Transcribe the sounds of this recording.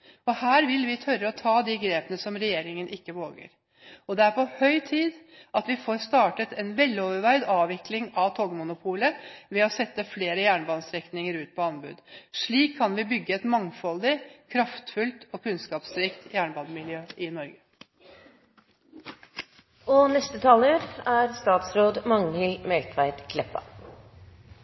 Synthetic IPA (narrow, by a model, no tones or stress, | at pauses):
ɔhæːɾʋɪlʋɪt̪ʰœɾəɔt̪ʰɑːd̪ɪɡɾeːpənəsɔmɾɛjeːɾɪŋənʔɪkːəʋoːɡə̰ɾ | ɔd̪ɛæɾpʰɔhœʏt̪ʰiːd̪ | ʔɑt̪ʋɪfoːɾst̪ɑːʈət̪ʰɛnʋɛlːoːʋəɾʋæɪd̪ɑːʋɪklɪŋɑʋt̪ʰɔɡmʊnʊpʰuːləʋɛɔsɛt̪ːəfleːɾəjæːɳbɑnst̪ɾɛknɪŋəɾʉːt̪̚pʰɔɑnbʉ̰d̪ʂɭiːkʰːɑnʋɪbʏɡːəɛt̪mɑŋfɔld̪ɪkʰɾɑft̪fʉlt̪ɔkʰʉnskɑːpst̪ɾɪkt̪jæːɳbɑnmɪljøːɪnɔɾɡə | ɔnɛst̪ət̪ʰɑːləɾæːɾst̪ɑːt̪sɾoːd̪mɑŋnɪlmɛlt̪ʰʋæɪt̪kʰlɛpːɑ̰